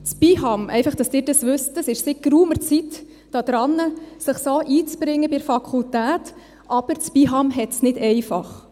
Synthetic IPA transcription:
t͡spiɦɑmʔɛ̰ɪfɑχd̥ɑsd̥ɪːɾdɑsʋʏstəsɪʃsɪkːɾuːməɾt͡sit | d̥ɑːd̥̪ɾɑnːəsəχsoːʔiːt͡sb̥ɾɪŋːəbɪɾfɑkʰultæːt | ʔɑb̥əɾt͡spiɦɑmɦɛtsnɪd̥ɛɪfɑχ

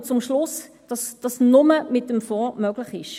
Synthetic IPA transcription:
t͡sʊmʃlʊs | d̥ɑsd̥ɑsnʊməmɪtəmfɔːmœɡlɪχɪʃ

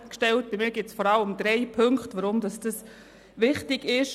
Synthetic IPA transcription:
kʃtɛlt̚b̥imɪːɡɪtsfɔɾɑləmd̥ɾɛɪpʰʏŋktʋaɾʊmdɑsd̥ɑs | ʋɪχtɪɡɪʃ

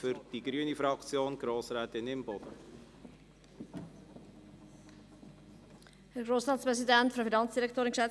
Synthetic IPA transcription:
fʏɾd̥iɡɾyənifɾɑkt͡sjoːnɡ̥ɾoːsɾɛːt̪ɪnɪmbɔd̥̪ə | hærɡroːsrɑːtspres̬idɛntfəfinɑnsd̥iɾɛk̚toːɾɪŋʃɛ

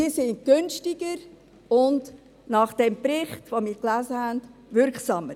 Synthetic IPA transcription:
ɪːsɪn̚ɡ̥ʏnʃtɪɡ̥əɾ | ʊnd | nɑːχd̥ɛmpɾɪχtʋomiːɾklæːzəhændʋʏɾksɑːməɾ

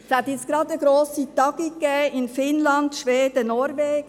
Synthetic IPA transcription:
shæt̪ɪsɡ̥ɾɑd̪əɡɾoːsitɑɡ̥ikːɛɪnfɪnlɑnd̪ʃʋeːd̪ənɔɾveː

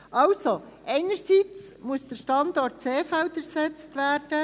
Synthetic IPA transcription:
ʔɑwso | ʔɛɪnəɾsiːt͡smuəsd̥̪əʃtɑndɔrt̚t͡seːfɛwdəɾsɛt͡stʋæːrd̥ə

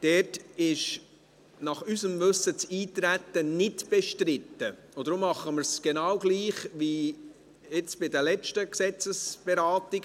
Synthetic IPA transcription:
d̥ɛtɪʃ | nɑχysəmvɵsət͡siːt̪ɾæt̪ːənɪtb̥ɛʃtɾɪtːə | od̪ɾʊmːɑχːəmɪɾsɡ̥ɛnɑwɡliːχʋi | ɪt͡sb̥ɪdəlɛt͡ʃtəksɛt͡səsb̥ɛɾɑːtɪɡ

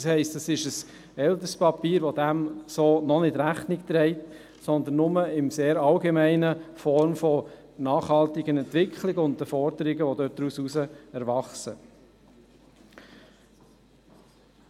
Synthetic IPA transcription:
shɛɪstdɑsɪʃəs | ɛlt̪əspɑpiːɾʋɔd̪æmsoːnɔnɪtɾæχnɪkt̪ɾɛɪt | sɔnd̪ən̩ːʊməɪmseːɾɑlɡemæɪnəfɔrmfɔ | nɑːχhɑlt̪ɪɡənɛntʋɪkʰχlɪɡəʊntəfɔɾd̥əɾɪɡəʋɔdøt̚d̥ɾususəɛɾʋɑχsə

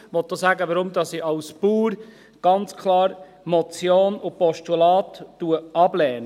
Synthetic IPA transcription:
ʋɔt̪̚d̥oːsæːɡəʋəɾʊmd̪ɑsiʔɑʊspuːɾ | ɡ̥ɑnt͡skʰlɑːɾ | mɔt͡sjoːnʊpɔʃtulɑːtːuəɑblɛːnə

